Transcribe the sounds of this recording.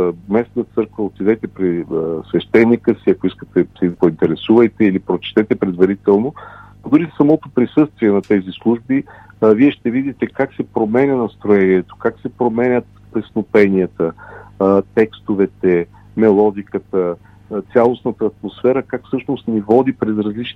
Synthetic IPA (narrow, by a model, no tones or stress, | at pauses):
mɛsnət̪sɤɾkvəot̪id̪ɛt̪ɛpɾisvɛʃt̪ɛnːikəsiɐkoiskə̥t̪ɛsɛpoint̪ɛɾɛsuvɐjt̪ɛilipɾot͡ʃɛ̥t̪ɛt̪ɛpɾɛd̪vɐɾit̪ɛlˠno | d̪uɾisɐmɔt̪opɾisɤst̪viɛnɐt̪ɛzislˠuʒbi | viɛʃt̪ɛvid̪it̪ɛkaksɛpɾomɛnʲɐnɐst̪ɾoɛniɛt̪o̥kaksɛpɾomɛnʲət̪ | pɾɛsnopɛniət̪ə | t̪ɛkst̪ovɛt̪ɛ | mɛlˠɔd̪ikət̪ə | t̪sʲalˠosnət̪əːt̪mosfɛɾəkakfsɤʃnost̪nivɔd̪ipɾɛzɾɐzlit͡ʃn